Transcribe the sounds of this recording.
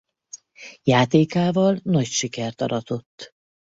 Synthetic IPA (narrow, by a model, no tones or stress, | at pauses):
jaːt̪eːkaːvɒlnɒcʃikɛrt̪ɒ̰ɾɒt̪o̞t̪ː